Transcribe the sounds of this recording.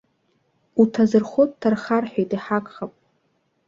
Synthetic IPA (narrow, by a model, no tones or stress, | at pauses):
utʰazɨrχʷot̚ʼtʰarχarħᶣejtʼiħakʼχapʼ